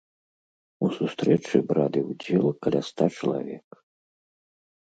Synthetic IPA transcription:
usust̪ɾɛt͡ʂɨbɾad̪ɨwd͡zʲɛlˠkɐlʲast̪at͡ʂɐlˠa̰vʲɛk

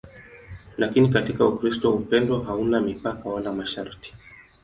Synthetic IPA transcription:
lʔakinikatikaukɾistɔupɛndɔɦaunamipakawalamaʃaɾti̥

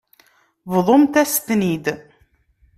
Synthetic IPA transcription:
vðˤomt̪æst̪nid̪

